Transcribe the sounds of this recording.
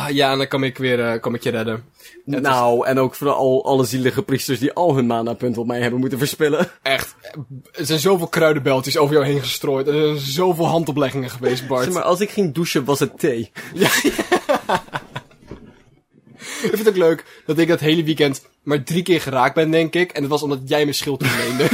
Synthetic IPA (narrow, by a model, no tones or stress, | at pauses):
janakɔmɪkʋɪːrkɔmɪkjərɛdə | nawɛnowkfəɔ̰lˠɑ̰ləziləχəpristəɹsdiʔɑlˠɦənmaːndapɵntɔp̚mɛjhɛbənmutəfəɹspɪləɛχtɛsɛjnzowvɪːlˠkrœɥdəbɛlˠtəsowvəɹjawɦejnχəstroːjtɛnzɛjnzowvɪːlˠɦɑntɔplɛχɪŋəχəʋejs̬t̚bɑɹma̰ɹʔɑ̰lˠs̬ɪkχɪŋduʃəʋɑsɦətʰejja | ɪkfɪntowkløɥkdɑtɪɡ̚dɑtɦejləʋikɛnt | maːɹdrikɪːɹχəraːk̚bɛndɛŋkɪkɛnətʋɑsɔmdɑtjɛjməsχɪlˠtəəlejndə